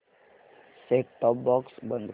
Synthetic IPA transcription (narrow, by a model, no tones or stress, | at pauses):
sekʈɔbːɔːksbə̃nd̪